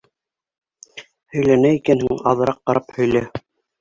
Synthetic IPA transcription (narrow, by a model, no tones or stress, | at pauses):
hɵ̆jlænæikænhɘŋɑ̰ðɤ̆ɾɑq̚ːɑɾʔɑphɵ̆jlæ